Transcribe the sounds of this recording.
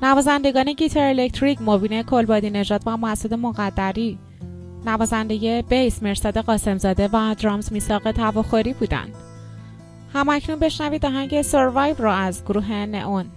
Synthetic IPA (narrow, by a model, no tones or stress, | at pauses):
nævɒːzænd̪e̞ɡɒːne̞ɟiːt̪ʰeɾelec̚t̪ʰɾicmobiːne̞kʰolbɒːd̪ine̞ʒɒːd̪væmæsod̪e̞moɣæd̪ːæɾi | nævɒːzænd̪e̞je̞b̥ejsmeɾsɒːd̪e̞ɣɒːse̞mzɒːd̪e̞væd̪ɾɒːmzmiːsɒːɣe̞t̪ʰævɒːxoɾiːbuːd̪æ̰nd̪̥ | hæmæcʰnunbe̞ʃnæviːd̪ɒːɦæɲɟeseɾvɑjvrɒæzɡoɾuːɦe̞ne̞̰ʔon